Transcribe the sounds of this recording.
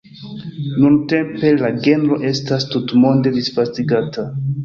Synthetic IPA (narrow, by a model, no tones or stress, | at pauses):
nunte̞mpe̞laɡe̞nɾo̞ʔe̞stastutmo̞nde̞disfastiɡatʰa